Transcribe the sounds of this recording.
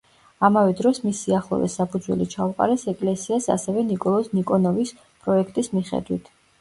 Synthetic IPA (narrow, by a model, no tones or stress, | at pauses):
amavɛd̪ɾɔsmisiaχlˠɔ̰vɛ̰sapʰud̪zwɛ̰lit͡ʃʰauqʼa̰ɾɛsɛkʼlɛsiasa̰sɛvɛnikʼɔlˠɔsnikʼɔnɔvis | pʼɾɔɛkʰt̪ʼismiχɛ̰d̪wit̪ʰ